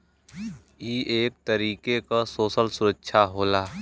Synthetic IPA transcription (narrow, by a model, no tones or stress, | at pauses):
iːʔeːk̚t̪əɾiːkekasoːsəlsʊɾəkːʃʰaɦoːlaː